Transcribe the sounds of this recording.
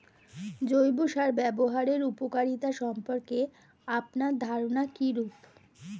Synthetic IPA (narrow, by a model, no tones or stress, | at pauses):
d͡ʑojbuʃaɾbɛboɦaɾeɾupokaɾit̪aʃɔmpoɾke | apnaɾd̪ʱaɾonakiɾup